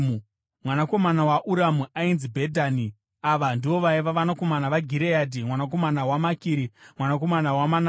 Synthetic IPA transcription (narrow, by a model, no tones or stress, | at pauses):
u | mwanako̞manawaʔuɾamuʔainzibʱedʱaːni | aʋandiʋo̞ʋaiʋaʋanako̞manaʋaɡʱiɾejadʱimwanak̬o̞manawamakiːɾimwanako̞manawamana